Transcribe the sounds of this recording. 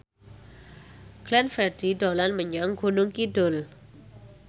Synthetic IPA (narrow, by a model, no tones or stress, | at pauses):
klɛnfɛdidɔlanməɲaŋɡonuŋkidol